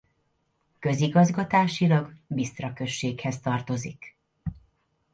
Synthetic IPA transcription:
kø̞ziɡɒzɡɒt̪aːʃilɒɡbist̪rɒkø̞ʃːeːkhɛst̪ɒrt̪o̞zik

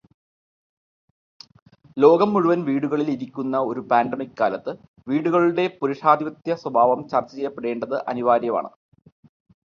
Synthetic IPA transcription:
lo̞ːɡɐmːuɻuʋɐnʋiːɽuɣɐɭiliɾikʲːunːɐo̞ɾupaːnɖemikɨkaːlɐt̪ːɨ | ʋiːɽuɣɐɭuɽe̞puɾuʂaːd̪ʱiʋɐt̪jɐswɐbʱaːʋɐmt͡ɕɐrt͡ɕːɐt͡ɕejːɐpːeɽe̞ːɳɖɐðɨʔɐ̰niʋaːɾjɐma̰ːɳɨ̰

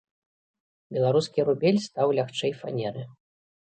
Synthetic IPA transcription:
bʲɛlˠaɾuskʲiɾubʲɛlʲst̪awlʲaxt͡ʂɛjfa̰nʲɛɾɨ

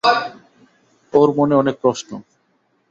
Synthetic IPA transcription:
oɾmoneɔnek̚pɾɔsno

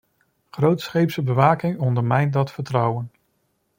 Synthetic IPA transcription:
χrowtsχejpsəbəʋaːkɪŋɔndəɹmɛjn̚dɑtfəɹtrʌwən

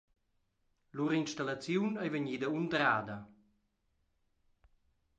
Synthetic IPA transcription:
luɾinʃt̪alat͡sjunajvəɲiːd̪əund̪ɾaːd̪ɐ

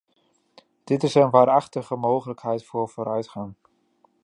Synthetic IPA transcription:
d̥ɪtɪsənʋaːɾɑχtəχəmowχələkɦɛjtfʊːɹv̥oːɾœɥtχaŋ

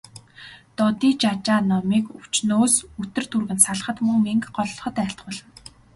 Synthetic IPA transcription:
t̪ɔt̪iːt͡ɕat͡ɕaːnɔmiːkuw̥t͡ɕnoːsut̪ɘ̆r̥t̪ʰurɣɘ̆nsaɮ̆χə̆t̪mɵŋmeŋkɢɔɮ̆χɞ̆t̪æɬt̪̚ɢʊːɮə̆n

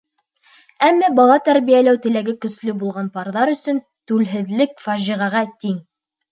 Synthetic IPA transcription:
æmːæbɑlˠɑt̪æɾβijælæwt̪ɘ̆læɡɘkɵ̆slɵbulˠʁɑnpɑɾðɑɾɵ̆sɵn | t̪ʉlɦɘ̆ðlɘk̚fɑʒiʁɑʁɑt̪iŋ

